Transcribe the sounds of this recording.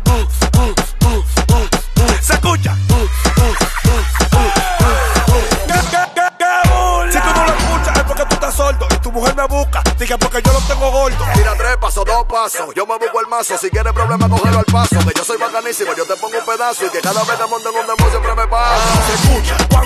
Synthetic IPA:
sekut͡ʃa | kekekesit̪unõloeskut͡ʃaepoɾket̪ut̪asold̪oit̪umuheɾmeβukad̪iɣapoɾkeʝonõnt̪eŋɡoɣold̪omiɾat̪ɾepasoðospasosɟ͡ʝomeβukoelmasosikjeɾepɾoβlemakoheloalpasokeʝosojβakanisimod͡ʒot̪epoŋɡoumpeðasoikekaðaβekemont̪eŋɡond̪emõs̬jempɾemepasaseskut͡ʃaka

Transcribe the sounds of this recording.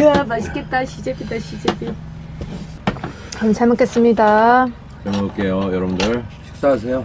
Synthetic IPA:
ɯamaɕʰi̥k͈et̚t͈aɕʰid͡ʑepidaɕʰid͡ʑepi | kat͡ɕʰaɭmok͈e̞s͈ɯmɲida | t͡ɕʰaɭmok͈e̞jojʌɾʌbndɯɭɕʰi̥k̚s͈aasʰe̞jo

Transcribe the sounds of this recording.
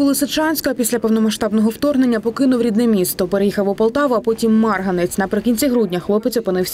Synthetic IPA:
ʊlˠɪsɪt͡ʃɑnʲsʲkɔɐpʲisʲlʲɐpɔwnɔmɐʃt̪ɑbnɔɦɔwt̪ɔrɦne̞nʲːɐpɔkɪnʊwɾʲid̪nɛmʲist̪ɔpeɾejixɐwʊpɐlˠt̪ɑʋʊɐpɔtʲimːɑrɦɐnet͡sʲnɐpɾɪkʲinʲt͡sʲiɦɾudʲnʲɐxlˠɔpet̪sʲɔpɨnɪwsʲɐ

